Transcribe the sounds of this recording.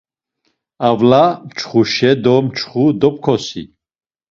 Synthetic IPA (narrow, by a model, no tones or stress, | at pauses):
avlamt͡ʃʰχuʃɛd̪ɔmt͡ʃʰχud̪ɔp̚kʰɔsḭ